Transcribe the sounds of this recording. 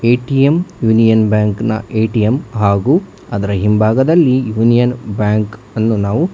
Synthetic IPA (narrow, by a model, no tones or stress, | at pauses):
eːʈijemjuːnijɐnbjaːŋknɐ̰ʔeːʈijemɦaːɡuː | ɐd̪ɐɾɐɦimbʱaːɡɐd̪ɐlːijuːnijɐnbjaːŋk | ɐnːunaːʋu